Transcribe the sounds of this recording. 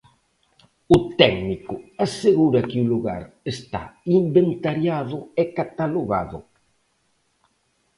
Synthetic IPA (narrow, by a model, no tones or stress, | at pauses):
ʊt̪ɛɡnikʊaseɣuɾɐkɪuluɣa̰ɾ | est̪a̰imbent̪aɾjaðʊekat̪aloɣa̰ðʊ̰